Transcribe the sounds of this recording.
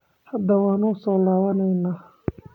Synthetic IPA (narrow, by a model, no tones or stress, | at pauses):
hɐd̪ɐwɑːnʊʊsɔːlaːβɐnɛjnaː